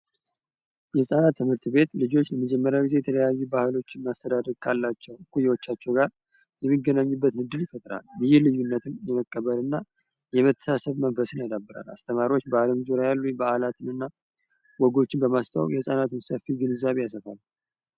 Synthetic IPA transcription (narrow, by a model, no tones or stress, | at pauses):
jɛhɨsʼanat̪ʰːɨmhɨɾt̪be̞t̪lɨd͡ʒo̞t͡ʃːləməd͡ʒɛmːəɾjawɡize̞jɛt̪ʰələjajːubahɨlo̞t͡ʃːɪnmast̪ʰəd̪ad̪əɾkʰalːat͡ʃːɛwkujːɛwot͡ʃːat͡ʃːɛwɡaɾ | jɛmːiɡənaɲːubːət̪nɨd̪ːɨljɪfət̪ʼɾa̰ljɪjɪhlɨjːunːət̪ʰɨmjɛməkʼːəβəlɨnːa | jɛmət̪ʰːə̥sasəβmənfəsɨnad̪abːɨɾa̰la̰st̪ʰəmaɾiwot͡ʃːbaləmzuɾajalːubəʔalat̪ʰɨnɨnːa | wɔɡo̞t͡ʃːɪnbəmast̪ʰaw̰kjɛhɨsʼanat̪ɨnsəfiɡɨnɨzːaβejasəfal